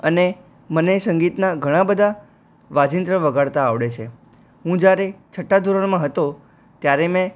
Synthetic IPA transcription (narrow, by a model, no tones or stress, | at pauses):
əne | mənesə̃ŋɡit̪naɡʱəɽ̃ãbəd̪ʱa | ʋad͡ʒint̪ɾəʋəɡaɭt̪aːʋɽet͡ʃʰe | ɦũd͡ʒjaɾet͡ʃʰəʈːad̪ʱuɾəɳmãɦət̪o | t̪jaɾemɛ̃